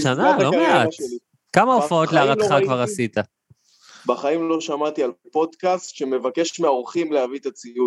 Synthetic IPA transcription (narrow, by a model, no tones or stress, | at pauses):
ʃanaalomeat̪ | kamaofao̞t̪leaʁaχakvaʁasit̪a | baχaimlo̞ʃamat̪ialpo̞d̪kastʃe̞me̞vake̞ʃmeaoʁχimleavit̪at͡siu